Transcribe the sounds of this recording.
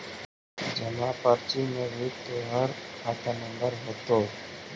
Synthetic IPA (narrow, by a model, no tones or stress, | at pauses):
d͡ʒəmapaːɾt͡ʃimẽbʱit̪oɦəɾkʰaːt̪ʰanəmbəɾɦoːt̪oː